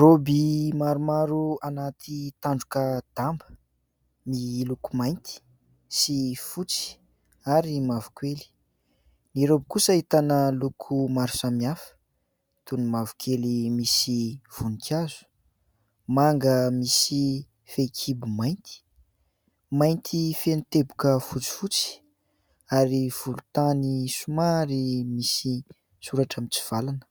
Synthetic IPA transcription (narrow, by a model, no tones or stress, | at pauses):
ɾobimaɾumaɾuanat̪ʰit̪aɳɖ͡ʐukəd̪̥ambə | milukumajnt̪i̥ | sifut͡si̥ | aɾimavu̥kweli̥ | niɾobikusəit̪anəlukʰumaɾu̥samiafə̥ | t̪unumavukelimisiv̥unikʰʲazu̥ | maŋɡəmisi | fekʰibumajnt̪ʰi̥ | majnt̪ʰifenit̪ebukəfut͡si̥fut͡si̥ | aɾiv̥ulut̪anisumaɾimisi | suɾaʈ͡ʂamit͡si̥v̥alanə̥